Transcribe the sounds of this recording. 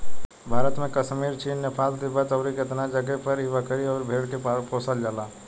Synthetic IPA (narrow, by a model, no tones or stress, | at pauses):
bʱaːɾət̪mẽkəʃmiːɾt͡ʃiːnːepʰaːld̪ibət̪əːɾikɪt̪nad͡ʒəɡɛpəɾibəkəɾiɔːɾbʱeːɽkeppoːsəld͡ʒaːlaː